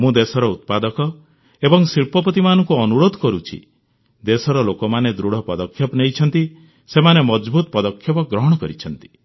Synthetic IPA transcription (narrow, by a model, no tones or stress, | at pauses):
mũd̪esɔɾɔut̪̚pad̪ɔkɔ | ebɔŋsiɭpɔpɔt̪imanɔŋkuɔnuɾod̪ʱɔkɔɾut͡ʃʰḭ | d̪esɔɾɔlokɔmaned̪ɾuɽ̤ɔpɔd̪ɔkʰjɔpnejt͡ʃʰɔnt̪i | semanemɔd͡ʒbut̪ɔpɔd̪ɔkʰːjɔpɔɡɾɔɦɔɽ̃ɔkɔɾit͡ʃʰɔnt̪i̥